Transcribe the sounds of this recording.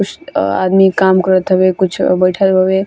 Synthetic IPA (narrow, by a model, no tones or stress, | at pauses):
kut͡ʃʰa̰d̪mikamkəɾət̪ɦəbekut͡ʃʰbəjʈʰət̪bʱəbe